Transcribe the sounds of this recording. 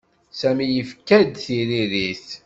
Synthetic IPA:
sæmijəfkːæd̪θiɾiɾiθ

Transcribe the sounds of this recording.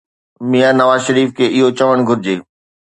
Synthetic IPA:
mijanɐʋaːzʃɐɾiːfkʰeːʔɪɦot͡ɕɐʋəɽ̃ɡʱʊɾɪd͡ʑeː

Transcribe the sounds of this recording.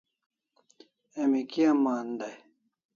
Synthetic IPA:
emikijɐmːaːnd̪aj

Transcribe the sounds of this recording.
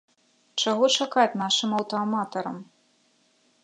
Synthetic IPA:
t͡ʂaɣɔt͡ʂakat͡sʲnaʂɨmɐwt̪ɐːmat̪ɐɾɐ̰m

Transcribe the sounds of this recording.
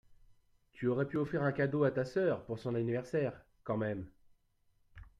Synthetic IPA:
t̪yɔʁɛpyɔfχiʁɛ̃kad̪oat̪asœʁpuʁsɔ̃nanivɛʁsɛːʁ | kɑ̃mɛm

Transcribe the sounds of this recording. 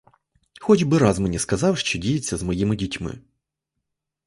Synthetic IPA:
xɔt͡ʃbɪɾɑzmenʲiskɐzɑwʃt͡ʃɔdʲijɪt͡sʲːɐzmɐjimɪdʲitʲmɪ̰

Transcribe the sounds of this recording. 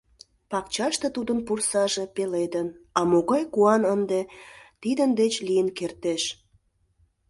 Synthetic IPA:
pɑkt͡ɕɑʃt̪et̪ud̪ənpursɑʒe̽peled̪ənɑmoɣɑjkuɑnənd̪et̪id̪ənd̪et͡ɕlijənkert̪eʃ

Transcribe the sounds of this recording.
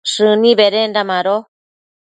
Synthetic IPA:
sɨnĩβeɾendamãɾo

